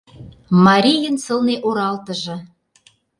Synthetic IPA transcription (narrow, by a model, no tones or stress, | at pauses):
mɑɾʲijə̆nsɤ̆lneʔoɾɑlt̪ə̆ʒɤ̆